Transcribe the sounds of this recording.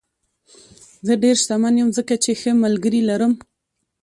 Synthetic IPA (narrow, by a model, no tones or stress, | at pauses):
zəɖeɾʃt̪amanjəmzəkat͡ʃexəmalɡəɾilaɾəm